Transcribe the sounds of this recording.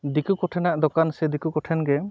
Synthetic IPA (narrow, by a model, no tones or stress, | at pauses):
d̪ikukɔʈʰɛnaʔd̪ɔkansɛd̪ikukɔʈʰɛnɡɛ